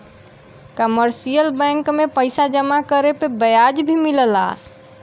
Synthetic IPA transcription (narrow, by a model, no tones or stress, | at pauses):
kəməɾsijəlbɛ̃ŋkmepəɪsad͡ʒəmakəɾepebəjad͡ʒbʱimiləla̰